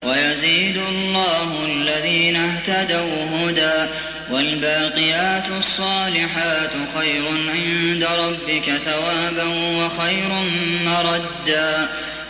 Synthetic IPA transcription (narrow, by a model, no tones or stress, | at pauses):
wajaziːd̪ʊɑlˤːɑːhʊalːaðiːnaht̪ad̪aw | ɦʊd̪aː | walbaːqɪjaːt̪sˤːɑːlɪħaːt̪xajɾʊʕɪnd̪aɾˤɑbːɪkaθawaːbanwaxajɾʊnmɑɾˤɑd̪ːaː